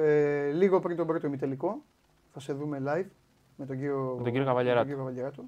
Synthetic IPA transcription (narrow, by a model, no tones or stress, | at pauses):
eliɣo̞pɾint̪o̞bɾo̞t̪oimit̪eliko̞ | θɐse̞ðume̞lɐjv | me̞t̪oɟiɾjomt̪oɟiɾjokavɐʎeɾɐɡɟiɾjokɐvɐʎeɾɐt̪u